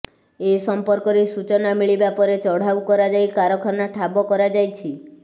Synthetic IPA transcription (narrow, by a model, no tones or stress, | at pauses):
esɔmpɔɾkɔɾesut͡ʃɔnamiɭibapɔɾet͡ʃɔɽ̤awkɔɾad͡ʒajkaɾɔkʰɔɾnaʈʰabɔkɔɾad͡ʒajt͡ʃʰi